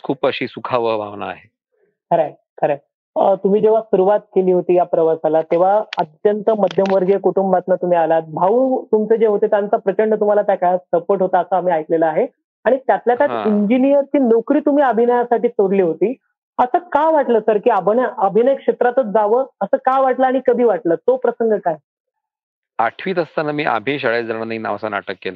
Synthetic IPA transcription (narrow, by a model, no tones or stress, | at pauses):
kʰuːpəɕiːsukʰaʋəbʱa̰ʋna̰a̰ɦe | kʰəɾa | kʰəɾa | ət̪um̤iːd͡ʑeʋ̤asuɾuʋat̪̚keliːɦot̪iːjapɾəʋasalat̪eʋ̤aət̪jənt̪əməd̪ʱjəmʋəɾd͡ʑekuʈumbat͡s̪nat̪um̤iːalat̪̚bʱaʋuːt̪umt͡sed͡ʑeɦot̪et̪jant͡sapɾət͡ɕəɳɖət̪um̤alat̪jakajasəpoɾʈɦot̪aːsaːm̤iːajkleləaɦe | aɽ̃it̪jat̪ljat̪jaiɲd͡ʑinijəɾt͡ɕiːnokɾiːt̪um̤iːəbʱinəjasaʈiːsoɽliːɦot̪iː | əsəːkajʋaʈləːsəɾkiːabʱnəəbʱinəjekʂet̪ɾat̪ət͡s̪d͡zaʋəːəsəːkajʋaʈləaɽ̃ikəd̪ʱiːʋaʈləːt̪opɾəsəŋɡəkaj | a̰ʈʰʋiːt̪əst̪anamiːʔa̰bʱĩɕaɭad͡zaɽ̃anaina̰ʋsana̰ʈəkːelə